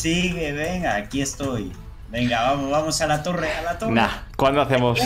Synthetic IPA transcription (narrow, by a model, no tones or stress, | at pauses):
siɣeβeŋakiest̪oj | beŋɡaβamoβamosalat̪orealat̪onakwand̪oaθemos